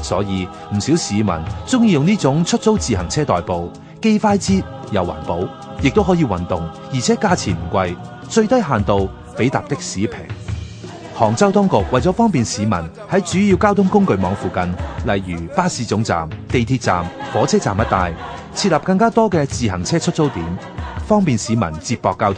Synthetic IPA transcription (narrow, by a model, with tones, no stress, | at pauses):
sɔ̰ː˨˥jiː˨˧ | m̩˨˩siː˨˥wsiː˨˧mɐ̰˨˩nt͡sʊ˥ŋjiː˧jʊ˨ŋniː˥t͡sʊ˨˥ŋt͡ʃʰɵ˥t̚t͡so˥wt͡siː˨ɦɐ˨˩ŋt͡sʰɛː˥t̪ɔː˨jpo˨w | ke˥jfaː˥jt͡siː˥ | jɐ˨˧wːɐ̰˨˩npo˨˥w | jɪ˨k̚t̪o˥wɦɔː˨˥jiː˨˧wɐ˨˩nt̪ʊ˨ŋ | jiː˨t͡sʰɛ˨˥kaː˥t͡sʰiː˨˩m̩˨˩kʷɐ˧j | t͡ʃɵ˧ɥt̪ɐ˥jɦaː˨nt̪o˨˧w | pe˨˥jt̪a̰ː˨p̚t̪ɪ˥k̚siː˨˥pʰɪ̰˨˩ŋ | hɔː˨˩ŋt͡sɐ˥wt̪ɔ˥ŋkʊ˨k̚wɐ˨jt͡sɔ˨˧˥fɔː˥ŋpiː˨nsiː˨˧mɐ̰˨˩n | hɐ˨˥jt͡ʃyː˨˥jiː˧wkaː˥wt̪ʰʊ˥ŋkʊ˥ŋkɵ˧ɥmɔ̰ː˨˧ŋfuː˨kɐ˨nlɐ˨˧jjyː˨˩paː˥siː˨˧t͡sʊ˨˥ŋt͡sa̰ː˨mt̪e˨jt̪ʰiː˧t̚t͡sa̰ː˨mfɔː˨˥t͡sʰɛː˥t͡sa̰ː˨mjɐ˥t̚t̪aː˨˧j | t͡sʰiː˧t̚lɐ˨p̚kɐ˧ŋkaː˥t̪ɔː˥kɛː˧t͡siː˨ɦɐ˨˩ŋt͡sʰɛː˥t͡ʃʰɵ˥t̚t͡so˥wt̪iː˨˥m | fɔː˥ŋpiː˨nsiː˨˥mɐ̰˨˩nt͡siː˧p̚pɔː˧kːaː˥wt̪ʰŋ